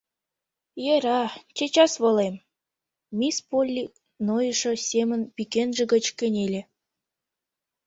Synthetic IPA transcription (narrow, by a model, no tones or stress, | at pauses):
jeɾɑt͡ɕet͡ɕɑsβolem | mispolʲːik | nojəʃɤ̆sʲemə̆npikenʒĕɡə̆t͡ɕkə̆nʲelʲe